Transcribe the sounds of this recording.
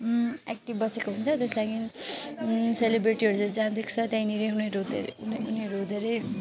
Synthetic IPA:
ek̚ʈibbʌsekoɦunt͡sʰʌt̪eslaɡʰin | selebɾiʈiɦʌɾud͡zod͡zand̪ekʰt͡sʰʌt̪jãĩniɾeuneɾd̪eɾ̰neuneɾod̪eɾej

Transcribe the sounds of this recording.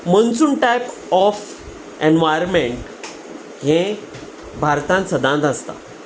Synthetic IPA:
mənsuːnʈajp | ɔf | enʋajɾmeɳʈ | ɦẽ | bʱaɾt̪ãnt̪səd̪ãnd̪ast̪a̰

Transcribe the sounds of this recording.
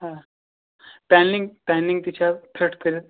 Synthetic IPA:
ɦã | pɛnliŋɡpɛnliŋɡt̪it͡ɕʰapʰeʈkəɾit̪̚

